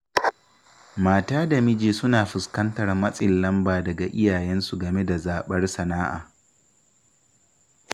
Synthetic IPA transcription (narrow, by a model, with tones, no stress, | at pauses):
maː˨taː˦da˨mɪ˦d͡ʒeː˨sʊ˦naː˨ɸɪ˨skɐ˦ntɐ˨rmɐ˦sʼɪ˨lːɐ˦mbaː˨dɐ˨ɡa˨ʔɪ˦jaː˨jɛ˦nsu˨ɡɐ˨me˦da˨zaː˨ɓɐ˦rsɐ˨naː˦ʔa̰ː˨